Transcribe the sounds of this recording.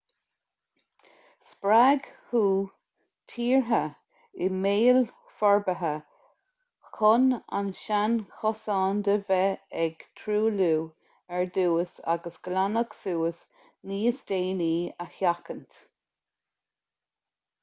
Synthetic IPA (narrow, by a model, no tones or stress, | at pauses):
spɾaɡhuː | t̪ʰiːɹɦə | ɪmeːl | fɔɹbəɦə | kʰʊna̰nʃanxɔsɑːnd̪əvɛɛɡ̥t̪ʰɾuːluː | ɛɹd̪uːəsa̰ɡəsɡ̥lanəksuːəs | niːsd̪̥eːniːəhjakənt̪